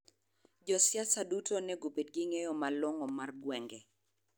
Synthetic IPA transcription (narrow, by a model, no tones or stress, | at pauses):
d͡ʒɔsjasadutʰonɛɡobed̚ɡiŋejɔmalwɔŋɔmarɡwɛŋɡɛ